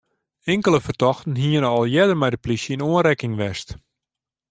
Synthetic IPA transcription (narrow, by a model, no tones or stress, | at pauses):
ɪŋkələfərtɔxtən̩ɦiənəɔlˠjɛdərmɛjdəplisjəinoənɾɛkɪŋʋɛst